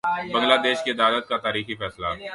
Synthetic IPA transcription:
bɐ̃ŋɡlaːd̪eːʃked̪aːd̪ət̪̚kat̪aːɾiːxifɛːsla̰

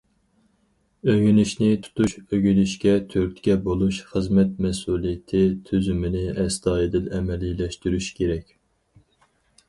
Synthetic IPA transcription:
øɡʲynyʃnɪt̪ʰu̥t̪uʃøɡʲynyʃkʲɛt̪ʰøɾt̪ʰkʲɛbolˠuʃχəzmɛt̪̚mɛsuːlˠijɪt̪ʰɪt̪ʰyzymɪnɪɛst̪ɑːjɪd̪ɪnɛmɛlːilɛʃt̪yɾyʃkʲʰeɾɛkʲ

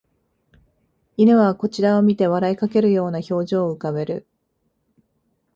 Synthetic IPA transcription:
inɯβako̞t͡ɕiɾaomʲit̪e̞βaɾaikake̞ɾɯ̟jo̞ːnaço̞ːʑo̞ːɯ̟kaβe̞ɾɯ̟̰

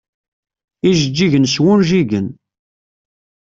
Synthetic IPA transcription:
iʒəd͡ʒːiʝənswʊnʒiɡən

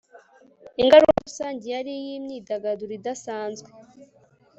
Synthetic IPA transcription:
iŋɡaɾuukusaːɲɟijaɾijimɲiːdaɡaduɾidasaːnzɡwe

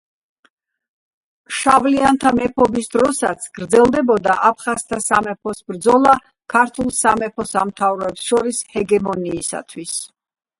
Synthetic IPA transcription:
ʃavliant̪ʰamɛpʰɔbisd̪ɾɔsat̪sʰɡ̥ɾd̪zɛlˠd̪ɛbɔd̪aʔap̚ʰχast̪ʰasamɛpʰɔsbɾd̪zɔlˠa | kʰaɾt̪ʰulˠsamɛpʰɔsamt̪ʰavɾɛpsʃɔɾishɛɡɛmɔniːsa̰t̪ʰwis

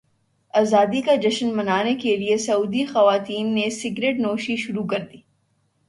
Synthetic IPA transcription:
aːzaːd̪ikad͡ʒɐʃənmɐnaːnekeliesɐuːd̪ixɐʋaːt̪iːnːesɪɡɾeːʈnoːʃiʃʊɾukɐɾd̪iː

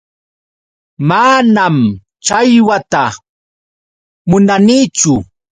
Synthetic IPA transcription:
manam | t͡ʃajwat̪a | mʊnaniːt͡ʃʊ

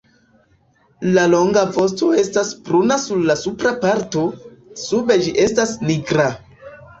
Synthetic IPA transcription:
lalo̞ŋɡapo̞sto̞e̞staspɾunasuɾlasupɾapaɾto̞sube̞d͡ʒiʔe̞stasniɡɾa

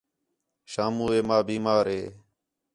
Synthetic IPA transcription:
ʃaːmuːeːmaːbiːmaːɾɦeː

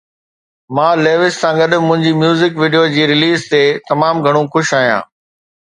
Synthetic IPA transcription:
mãːleːʋɪssãːŋɡəɗmʊ̃ɦɪ̃ɲd͡ʑiːmjuːzɪkʋiːɖijod͡ʑiːɾɪliːzt̪et̪ɐmaːmɡʱɐɽ̃ũxʊʃaːɦjã̰ː

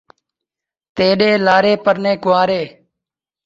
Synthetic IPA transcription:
t̪eːɗeːlaːɾeːpəɾnẽːkʊʋaːɾeː

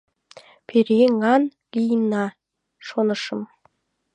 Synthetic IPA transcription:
pʰeɾeŋɑn | lʲijənɑ | ʃonɤ̆ʃɤ̆m

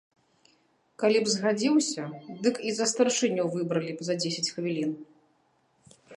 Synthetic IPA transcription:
kalʲibzɣad͡zʲiwsʲɐd̪ɨkizɐst̪ɐrʂɨnʲɔwvɨbɾɐlʲipzɐd͡zʲesʲɐt͡sʲxvʲilʲin

